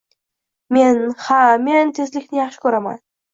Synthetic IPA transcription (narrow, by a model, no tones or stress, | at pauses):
me̞nhame̞nt̪ʰe̞zlɪkʲnɪjɑχʃɪ̥kʲʰɵɾama̰n